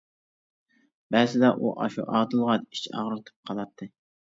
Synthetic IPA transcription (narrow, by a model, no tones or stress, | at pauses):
bæzɪd̪ɑʔuʔɑ̰ʃṵʔɑːd̪ɨlˠʁɑni̥t͡ʃɑ̰ʁɾt̪ʰɨ̥p̚qʰɑlˠɑp̚t̪ʰːɨ